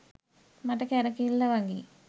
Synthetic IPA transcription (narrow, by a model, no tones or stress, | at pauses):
maʈəkɛɾəkilːəʋaŋɡi